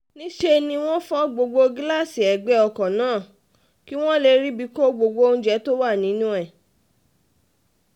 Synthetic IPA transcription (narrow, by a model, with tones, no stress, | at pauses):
nĩ˦ʃe˧nĩ˧w̃ɔ̃˦fɔ˦ɡ͡bo˧ɡ͡bo˧ɡla˦˨si˨ɛ˨ɡ͡bɛ˨˦ɔ˧kɔ̃˨nãː˨˦˨ | ki˦w̃ɔ̃˦le˧ɾi˦bi˧˦ko˦ɡ͡bo˧ɡ͡bo˧o˦˧ñ̩˦d͡ʒɛ˨˦to˦wa˦˨nĩ˨˦nũ˦ɛ˦˨